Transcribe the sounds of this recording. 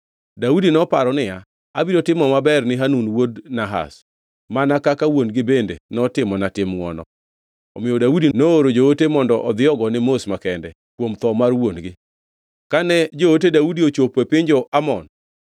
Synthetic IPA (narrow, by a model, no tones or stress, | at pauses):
daudinɔpaɾɔnɪja | abiɾotɪmɔmabɛrnɪɦanunwodnaɦa̰s | manakakawonɡɪbendenɔtɪmɔnatɪmŋɔnɔ̰ | ɔ̰mɪjɔdaudinooɾod͡ʒootemɔndɔʔɔd̪ɪjɔɡɔnɪmosmakɛndɛ | kwomt̪ɔmarwonɡɪ | kanɛd͡ʒoot̬edaudiot͡ʃopepɪɲd͡ʒɔʔamɔn